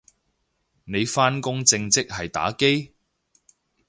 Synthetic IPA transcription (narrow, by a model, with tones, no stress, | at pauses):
ne˨˧jfaː˥nkʊ˥ŋt͡sɪ˧ŋt͡sɪ˥k̚hɐ˨jt̪a̰ː˨˥ke˥j